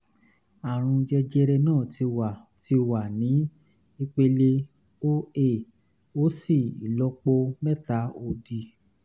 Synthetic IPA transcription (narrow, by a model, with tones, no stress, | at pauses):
a˨ɾ̃ũ˧d͡ʒɛ˧d͡ʒɛ˧ɾɛ˧nãː˦˨ti˧wa˨ti˧wa˨nĩ˨˦ | i˧k͡pe˧le˧ | o˦e˦˨ | o˦si˦˨ḭ˨lɔ˧˦k͡po˧mɛ˦ta˨˦o˧di˧